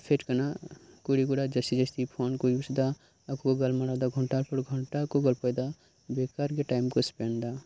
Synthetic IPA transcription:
pʰeʈkənakoɽiɡoɽad͡ʒəsid͡ʒəst̪ipʰonkojut͡ʃd̪a | əkokoɡəlmaɽawd̪aɡʱɔɳʈaɾpʰəɾɡʱəɳʈakoɡəlpəjd̪a | bekaɾkeʈajmkospend̪a

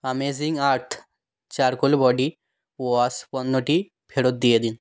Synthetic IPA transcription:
əmeziŋɡaɾt̪ʰ | t͡ʃaɾkolbɔɖi | ʋɔspɔnːoʈi | pʰeɽot̪̚d̪ijed̪in

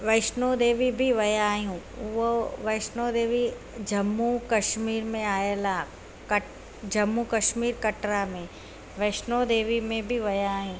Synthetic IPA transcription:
ʋɐɪʃnod̪eːʋibʱiʋɐjaːjũʋoʋɐɪʃnoːd̪eːʋi | d͡ʒɐmːukɐʃmiːɾmẽaːjelaː | kɐ | d͡ʒɐmːukɐʃmiːɾkɐʈɾamẽ | ʋɐɪʃnod̪eːʋimẽbʱiʋɐjaːjũː

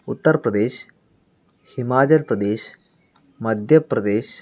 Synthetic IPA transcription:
ʊt̪ːɐɾpɾɐd̪eːʃ | himaːd͡ʒɐlpɾɐd̪eːʃ | mɐd̪ʱjɐprɐd̪eːʃ

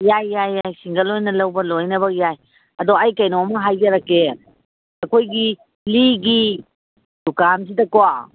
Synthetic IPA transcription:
jajːajːajsiŋɡɐlojnɐlɐwbɐlojnɐβɐkjaj | ɐdoajkɐjnomɐɦajɡɐɾakːe | ɐkojɡi | liɡi | dukans̬idɐkowa

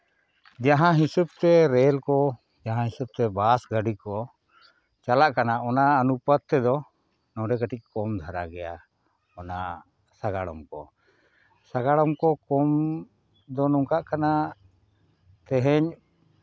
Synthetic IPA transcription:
d͡ʒaɦãɦisub̚t̪ɛɾɛlkɔ | d͡ʒaɦãɦisub̚t̪ɛbasɡaɖikɔ | t͡ʃalaʔkanaʔɔnaənupət̪̚t̪ɛd̪ɔ | nɔ̃ɖɛkəʈic̚ˀkɔmd̪ʱaɾaɡɛja̰ | ɔna̰ | saɡaɽɔ̰mkɔ̰ | saɡaɽɔmkɔkɔm | d̪ɔnuŋkaʔkana | t̪ɛɦɛɲ

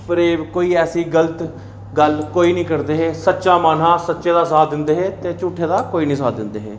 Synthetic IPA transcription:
pəɾeːkoːiːɛːsiːɡələt̪ | ɡəlkoːiːnĩːkəɾd̪eːɦeːsətːʃaːmaːn̤aːsətːʃeːd̪aːsaːd̪ɪnd̪eːɦeːt̪eːt͡ʃuːʈʰːeːd̪aːkoːiːnĩːsaːd̪ɪnd̪eːɦḛː

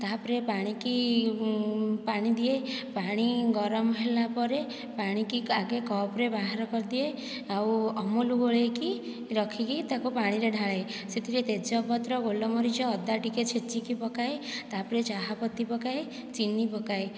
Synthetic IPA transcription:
t̪aɦpɔɾepaɽ̃iki | paɽ̃id̪iepaɽ̃iɡɔɾɔmɔɦelapɔɾe | paɽ̃ikiaɡekɔpɾebaɦaɾɔkɔɾd̪ie | awɔmuluɡoɭeki | ɾɔkʰikit̪akupaɽ̃iɾeɖʱaɭajset̪ʰiɾet̪ed͡ʒɔpɔt̪ɾɔɡolɔmɔɾid͡ʒɔːd̪aʈiket͡ʃʰet͡ʃikipɔkaet̪apɔɾet͡ʃaɦapɔt̪ːipɔkae | t͡ʃinipɔkaj

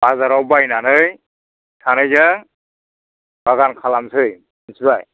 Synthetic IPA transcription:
bazaɾɔwbajnanɯj | tʰanɯjzɯŋ | baɡankʰalamsʰɯj | insɯbaj

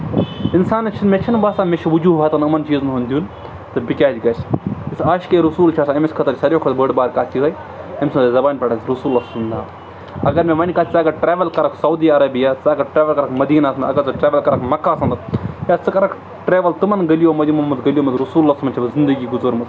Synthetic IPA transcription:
insaːnɐt͡ʃʰinmʲet͡ʃʰinbaːsaːmet͡ʃʰiʋud͡ʒuːɦɐt̪ɐnɐmɐnt͡ʃiːznɦunʲd̪ʲun | t̪ɨbikʲaːd͡ʒɡɐsisaːʃkeɾusuːlt͡ʃʰaːsaɐmisʲkʰɐt̪ɐɾʲsɐɾʲjokʰɐt̪bəɖbaːɾkaːt̪iɦɐj | ɐmʲsmɐd̪ɐzɐbaːnpʲɐʈɐt̪ɾɐsuːlːassɐmnd̪a | ɐɡɐɾmʲẽʋɐnʲkat̪ʲit͡saːɡɐʈɾeːʋɐlkɐɾɐksɐwd̪iːɐɾɐbijaːt͡saːɡɐɾʈɾeːʋɐlkɐɾɐkmɐd̪iːnaːsʰɐnɐ̰ɡɐɾt͡sɐʈɾeːʋɐlkɐɾɐkmɐkːaːsɐnd̪jat͡sɨkɐɾɐkʰ | ʈɾeːʋɐlt̪ɨmɐnɡɐlijoːmɐd̪jimɐmɐd̪ɡɐlʲijoːmɐt̪ɾɐsuːlːaːsɐmɐnt͡ʃʰɐbɐzind̪ɐɡiːɡuzoɾmɐt̪

